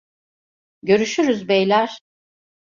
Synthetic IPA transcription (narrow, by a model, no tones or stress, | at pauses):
ɟø̞ɾyʃyɾyzbɛjlʲæɾ̥